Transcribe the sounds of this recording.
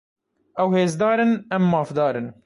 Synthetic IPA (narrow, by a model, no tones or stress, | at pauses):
ʔɛwheːzd̪ɑːɾɨnɛmːɑːfd̪ɑːɾɨn